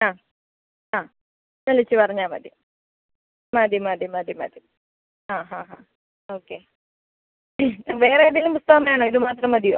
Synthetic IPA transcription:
aː | aː | nɐlit͡ɕːɨpɐrɐɲːaːmɐ̰d̪ʱjɐm | mad̪ʱjɐmaːd̪ʱjɐmaːd̪ʱjɐmɐ̰ːd̪jɐm | aːɦãːɦãː | oːkːeː | ʋeːreɐðijɐlumpust̪ɐɣɐmɐjaːɳoːiðɨmaːt̪rɐmɐd̪ijo̰ː

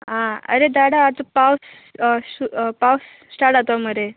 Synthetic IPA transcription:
ɦãə̰ɾed̪aɽaːt͡səpaws | supawsːʈaʈat̪oaməɾe

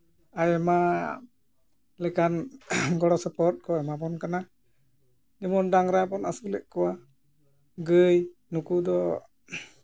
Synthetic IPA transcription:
ajɛma | lɛkanɡɔɽɔsəpɔt̪̚kɔɛmap̬ɔnkana | d͡ʒɛmɔndaŋɾapɔnasulɛ̰ʔkuwa | ɡəjnukudɔ

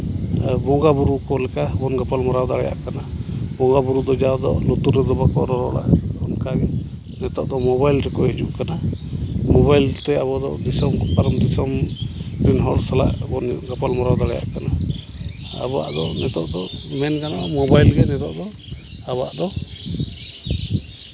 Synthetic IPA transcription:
bɔŋɡabuɾukɔlɛkabɔnɡapalmɔɾawd̪aɽɛja̰ʔkanabɔŋɡabuɾud̪ɔd͡ʒawd̪ɔ̰lut̪uɾɛd̪ɔbakɔ̰ɾɔɾɔɽa̰ʔɔnkaɡɛ | nɛt̪ɔʔd̪ɔmɔbajlɾɛkɔhid͡ʒuʔkana | mɔβajlt̪ɛabɔd̪ɔ̰d̪isɔmɡpaɾmd̪isɔmpɾinɦɔɽsala̰ʔbɔnɡapalmɔɾawd̪aɽɛja̰ʔkana | a̰bɔa̰ʔd̪ɔnɛt̪ɔʔd̪ɔmɛnkanaʔmɔbajlɡɛnɛt̪ɔʔd̪ɔ | aba̰ʔd̪ɔ

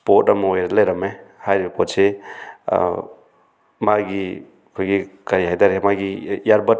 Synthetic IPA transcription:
pɔtamjɾlajɾamehajɾpʰɔt͡ʃʰe | maɡi | kʰuɡikaɾjɦajdaɾɦemaɡijaɾbɐt

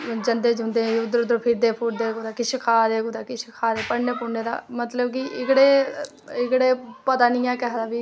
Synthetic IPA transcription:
d͡ʒənd̪eːd͡ʒɦʊ̃nd̪eːʊd̪ɾʊd̪ɾpʰɪɾd̪eːpʰʊɾd̪eːɡd̪aːkɪʃəkʰaːd̪eːɡod̪aːkɪʃkʰaːɾeːpəɽneːpʊneːd̪a̰ːmət̪ləbkɪʔɪkɽeː | ɪkɽeːpət̪aːnɪjãːkɛɦd̪aːbiː

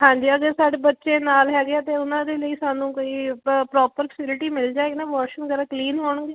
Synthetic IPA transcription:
ɦãːɲd͡ʒiːəɡəɾsaːɽeːbətːʃẽːnaːlɦɛːɡɪaːt̪eːʊnãːd̪eːləiːsãːnũːkoːiːpɾɔːpəɾfʰəsɪlɪʈiːmɪld͡ʒaːeɡnaːʋɔːʃəŋɡəɾãːkliːnɦoːɳɡeː

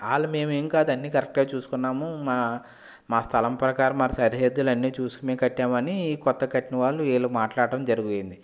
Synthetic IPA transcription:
aːlːɐme̞ːmeŋkaːd̪ɐnːiːkɐɾek̚ʈɡaːt͡ʃuːsu̥kunːaːmumaː | maːst̪ʰɐlɐmpɾɐkaːɾɐmaːsɐɾiɦeːd̪ːulɐnːiːt͡ʃuːsukumeːkɐʈːaːmɐnikɔt̪ːɐkɐʈiniʋaːɭːueːlɐmaːʈlaːɽʈɐmd͡ʒɐɾuɡuɐjind̪i

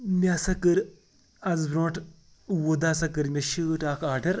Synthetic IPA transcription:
mʲasɐkɨɾ | ɐzbɾõːʈʰ | wod̪aːsɐkɨɾmʲɐʃɨːʈaːkʰaːʈɐɾ

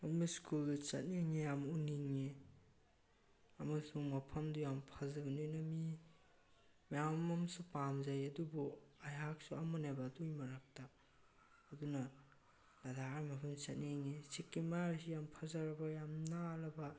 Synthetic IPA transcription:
ɐmiskuldut͡ʃɐ̰t̚niŋejamuniŋe | ɐmɐsuŋmɐpʰɐmdujampʰazɐɡɐnonɐmi | jammɐmsupamzajɐdubuajɦak̚suamɐnabɐdujmɐɾak̚taː | dunɐ | ladaamɐpʰɐmt͡ʃɐt̚niŋesikːimaɾsijampʰazaɾɐbɐjamnalɐbɐ

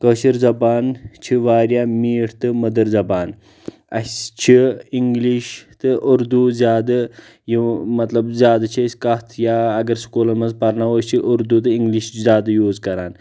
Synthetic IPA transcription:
kəʃiɾd͡zɐbaːnt͡ʃʰiʋaːɾjamiːʈʰt̪ɨməd̪əɾzɐbaːn | ɐ̰sʲt͡ʃʰiiŋɡliʃt̪ɨʔuɾd̪uzʲjaːd̪ɐ | jimɐt̪lɐbzʲjaːd̪ɐt͡ʃʰiəsʲkɐt̪ʰjaɐɡɐɾskoːlɐmɐzpɐɾnaʋəːsʲt͡ʃʰiʔuɾd̪ut̪̬ɨiŋɡliʃzʲaːd̪ɐjoːd͡zkɐɾaːn

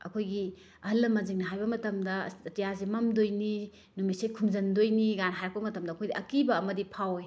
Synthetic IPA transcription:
ɐ̰kʰojɡi | ɐhɐlːɐmɐziŋnɐɦajbɐmɐtɐmdɐtijasemɐmdojni | numisekʰumzɐndojniɡanɦajɾɐk̚pɐmɐtɐmdɐkʰojdiʔɐkibɐːmɐdipʰawe

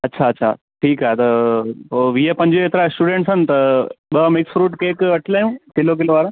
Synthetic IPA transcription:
ɐtːɕʰaɐtːɕʰa̰ | ʈʰiːkɦaɦet̪ɐoʋiɦepɐ̃ɲd͡ʑiet̪ɾasʈuɖẽɳʈsən̆t̪ɐɓəmɪksfɾuːʈkeːkɐʈʰlaːjũːkɪlok̬ɪloʋaːɾ

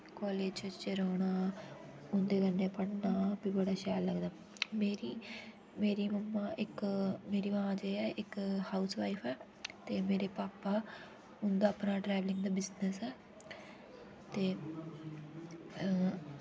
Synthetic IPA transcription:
kɔːleːd͡ʒt͡ʃət͡ʃeɾaːɽ̃aː | ʊ̃nd̪eːkə̃nd̪eːpənnaːbiːbəɽaːʃɛːlləɡd̪aː | meːɾiː | meːɾiːməmːãːʔɪkmeːɾiːmãːãːd͡ʒeːɛːʔɪkhaːusʋa̰ːipʰɛː | t̪eːmeːɾeːpaːpaː | ʊnd̪aːəpnaːʈɾɛːʋlɪ̃ŋɡd̪aːbɪznəsɛː | t̪eː

